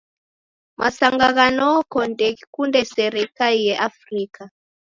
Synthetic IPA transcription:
mʔasaŋɡaɣanɔkɔndɛkikundɛsɛɾɛkalijɛʔafrika

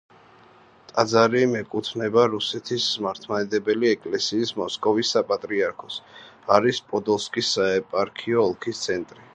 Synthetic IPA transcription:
t̪ʼad̪zaɾimɛkʼut̪ʰnɛbaɾusɛt̪ʰismaɾt̪ʰmaɛd̪ɛbɛliɛkʼlɛsiːsmɔskʼɔvisːapʼat̪ʼɾiaɾkʰɔs | aɾispʼɔd̪ɔlˠskʼisːaɛpʼaɾkʰiɔːlˠkʰist̪sʰɛnt̪ʼɾi

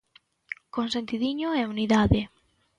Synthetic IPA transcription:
konsent̪iðiɲoɛuniðaðɪ

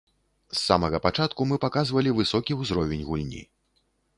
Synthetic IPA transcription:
sːa̰mɐɣɐpat͡ʂat̪kumɨpakazvɐlʲivɨsɔkʲiwzɾɔvʲenʲɣulʲnʲḭ

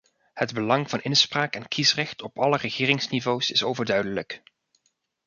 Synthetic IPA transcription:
hədbəlɑŋvɑnɪnspraːkɛnkisrɛxtɔpɑlərəχɪːrɪŋsnivowsɪsowvəɹdœɥdələk

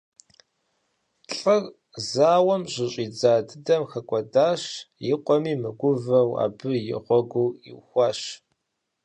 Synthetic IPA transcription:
ɬʼɐr | zaːwɐmɕʼɪɕʼiːd͡zaːdɨdɐmxɐkʷʼɔdaːɕjɪqʷʼɔmiːmɨɡʷʊvɐwa̰ːbɨjɪ̰ʁʷɔɡʷuːɪ̰wxʷɑːɕ

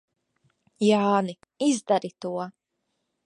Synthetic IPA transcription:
jaːni | izd̪aɾit̪uɔ

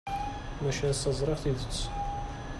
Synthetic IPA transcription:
mæʃæsɑzˤɾˤəʁθiðət͡sː

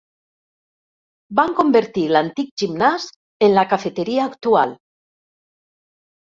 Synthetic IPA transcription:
baŋkombeɾt̪ilant̪ik̚ʒimnas | enlakafet̪eɾiaːkt̪ual

